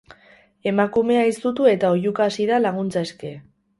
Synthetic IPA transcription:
e̞makume̞aist̪ut̪ue̞t̪aoʝukaːsiðalaɣ̞unt͡saeske̞

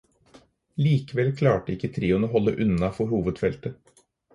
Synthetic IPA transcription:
liːkəʋɛlkʰlɑːʈəɪkːət̪ʰɾiːʊnoːɦɔlːəʔʉnɑfɔɾhuːʋəd̪fɛlt̪ə

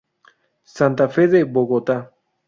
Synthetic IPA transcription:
sant̪afeðeboɣot̪a

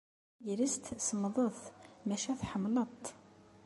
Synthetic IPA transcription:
jəɾist̪səmðˤəθmæʃæθħəmːlət̪ˤ

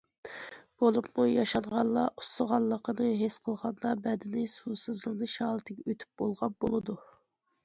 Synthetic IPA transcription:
b̥olˠupmujɑʃɑnʁɑllˠːɑʔu̥səʁɑlˠːəqʰənɨɦesqʰəlˠʁɑnd̪ɑbɛd̪ɪnɪsusɨzlˠənɨʃɑːlˠɨt̪ʰɪɡʲɛøt̪ʰy̥p̚b̥olˠʁɑp̚b̥olˠɨd̪u

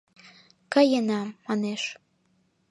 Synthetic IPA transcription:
kəjənɑmːɑneʃ

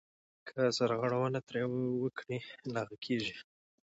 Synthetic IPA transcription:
kʰəsaɾɣaɽawanat̪ɾewəkʰɽilaɣakʰeʒi

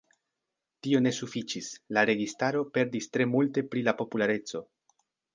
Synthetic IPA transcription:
tio̞ne̞sufit͡ʃislaɾe̞ɡistaɾo̞pe̞ɾdistɾe̞multe̞pɾilapo̞pulaɾe̞t͡so̞

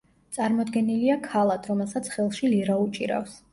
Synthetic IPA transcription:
t̪sʼaɾmɔd̪ɡɛniliakʰalˠad̪ʰɾɔmɛlˠsat̪sʰχɛlˠʃiliɾaut͡ʃʼiɾa̰fs

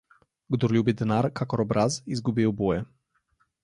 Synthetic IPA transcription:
ɡd̪ɔɾlʲubid̪ɛnaɾkʰakɔɾɔbɾazizɡubiwbɔjɛ

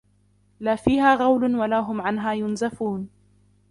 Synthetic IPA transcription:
laːfiːɦaːɣɑwlʊnwalaːɦʊmʕanɦaːjʊnzafuːn

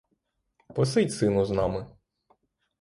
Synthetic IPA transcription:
pɔsɪtʲsɪnʊznɑmɪ

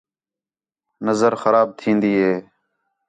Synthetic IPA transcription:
nəzəɾxəɾaːb̚t̪ʰĩːnd̪iːɦeː

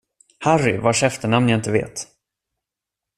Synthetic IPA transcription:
haɾɪvaʂɛft̪əɳamnjaɪnt̪əvḛːt̪

